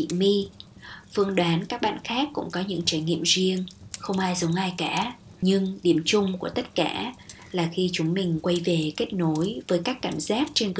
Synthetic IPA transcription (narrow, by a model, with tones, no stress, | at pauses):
ḭ˧˨mi˧ | fɨ˧əŋɗwaː˨˦nkaː˦˥k̚ɓa̰ː˧˨nxaː˦˥kːʊ̰˧˥ŋ͡mkɔ˨˦ɲɨ̰˧˥ŋt͡ɕaː˧˩jŋḭ˧˨əmzi˧əŋxə˧wŋ͡mʔaː˧jzə˨˦ŋʔaː˧jkaː˧˩ | ɲɨ˧ŋɗi˧˩əmt͡ɕʊ˧ŋ͡mku˧˩ət̪ə˦˥t̚ka̰ː˧˩˨ | laː˨˩xi˧t͡ɕʊ˨˦ŋ͡mmï˨˩ŋ̟kwa˧jve˨˩ke˦˥t̚no˨˦jvəː˨˦jkaː˦˥kːaː˧˩mzaː˦˥k̚t͡ɕe˧nɣɨ˨˧˩